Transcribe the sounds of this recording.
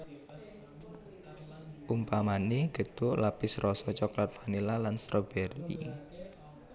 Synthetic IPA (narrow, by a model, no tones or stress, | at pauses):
ʔumpamaniɡ̥ə̤t̪ʊʔlapɪsɾɔsɔt͡ʃɔklat̪̚fanilalanst̪ɾɔb̥ɛrḭ